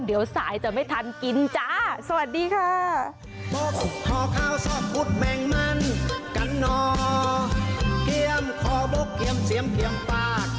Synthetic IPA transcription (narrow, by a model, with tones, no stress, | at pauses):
ndi˩˦əwsaː˩˦jt͡ɕa˨˩ma˥˩jt̪ʰa˧nki˧nt͡ɕa˧˥sa˧wa˨˩t̪̚diː˧kʰaː˧˥˩ | bo˧˥k̚kʰɔː˨˩kʰaː˧˩wsɔː˧˩p̚ku˦˥˩k̚mɛː˧ŋma˧˥˨nka˨˦nːɔː˧ | ki˧əmkʰɔː˨˧˦bo˧˩kːi˧˦əmsi˨˩˦əmki˨˩˦əmfaː˧˩k̚